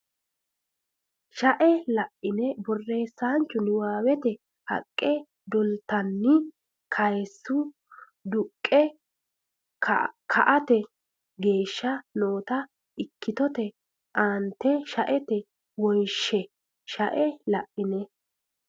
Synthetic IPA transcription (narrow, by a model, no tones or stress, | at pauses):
ʃɐʔɛlɐʔɪnɛbɔrːe̞ːsːaːnt͡ʃːʊnɪwaːwɛt̪ɛ | hɐ̰kʼːɛ | d̪ɔlt̪ɐnːɪ | kʰɐjsːʊ | d̪ʊkʼːɛ | kʰɐʔɐt̪ɛ | ɡe̞ːʃːɐno̞ːt̪ɐ | ɪkːɪt̪ɔt̪ɛ | ʔaːnt̪ːɛʃɐʔɛt̪ɛ | wɔjʃɛ | ʃɐʔɛlɐʔːɪnɛ